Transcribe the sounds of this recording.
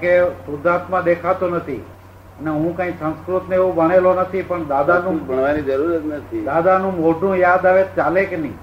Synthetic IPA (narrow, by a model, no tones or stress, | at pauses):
kesʊd̪at̪mãd̪ekʰat̪onət̪ʰḭ | əneɦũkãĩsə̃nskɾut̪neʋõbəɽ̃elonət̪ʰipəɳd̪ad̪anũbʱəɳ̃ʋanid͡ʒəɾuɾət̪nət̪ʰid̪ad̪anũmoɖʱũjad̪aʋet͡ʃalekenḭ̃